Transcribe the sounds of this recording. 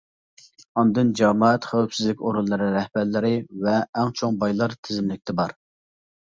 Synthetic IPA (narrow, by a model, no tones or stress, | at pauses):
ɑnd̪ɨnd͡ʒɑmɑɛt̪χæwpsɪzlɪkʲoɾulˠːɨɾɨɾɛhbæɾlɪɾɪvɛːŋt͡ʃʰoŋbɑjlˠɑɾt̪ʰɪzɪmlɪk̚ʲt̪ʰɪbɑɾ